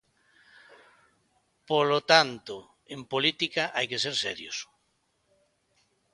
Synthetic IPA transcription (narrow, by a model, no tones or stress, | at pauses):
polot̪ant̪o | empolit̪ikaʔajkeseɾsɛɾjo̰s